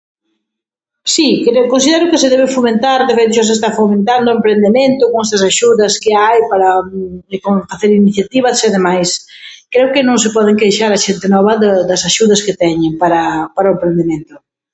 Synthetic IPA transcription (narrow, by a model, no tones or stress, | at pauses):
sikɾekõns̬iðɛɾʊkɪsɪðɛβ̞ɪfomẽnt̪aɾðefejt̪ʊʃas̬es̬t̪afomẽnt̪and̪ʊempɾend̪emẽnt̪ʊkoŋɛst̪ɐsaʃuðɐskɪajpaɾɐkofaθeɾiniθjat̪iβɐseðemajs | kɾeʊkɪnõŋsɪpɔðeŋkejʃaɾɐʃent̪ɪnɔβɐðɐd̪ɐsaʃuðɐskɪt̪ɛɲɪŋpaɾɐpaɾaʊempɾend̪emẽnt̪ʊ